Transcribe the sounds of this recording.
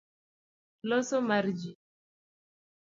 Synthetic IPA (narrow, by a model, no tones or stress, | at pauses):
lɔsɔmaɾd͡ʒi